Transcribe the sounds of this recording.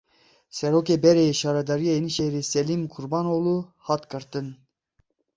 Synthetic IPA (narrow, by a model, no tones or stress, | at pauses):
sɛɾoːkebɛɾejeʃɑːɾɑd̪ɑɾijɑiniʃeɾisɛlimkʰuɾbɑnoluhɑt̪kʰɨɾt̪ɨn